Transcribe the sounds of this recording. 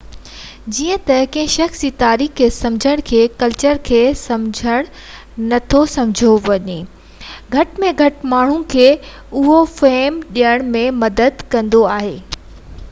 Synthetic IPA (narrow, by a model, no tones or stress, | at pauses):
d͡ʑiːə̃t̪ɐkɐ̃ɦɪ̃ʃɐxsiːt̪aːɾiːxkʰeːsɐ̃md͡ʑʱəɽ̃kʰeːkɐlt͡ɕəɾkʰeːsɐ̃md͡ʑʱəɽ̃ | nɐt̪ʰosɐ̃md͡ʑʱoʋɐɲe | ɡʱɐʈmẽɡʱɐʈmaːɳ̤ũkʰeː | ʊɦofeɦːmɗijəɽ̃mẽmɐd̪əd̪kɐ̃nd̪oaːɦeː